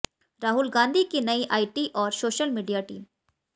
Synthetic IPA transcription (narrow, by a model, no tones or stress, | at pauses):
ɾaːɦʊlɡãːnd̪ʱikinɐiʔaːiʈiʔɔːɾsoːʃəlmiːɖijaʈḭːm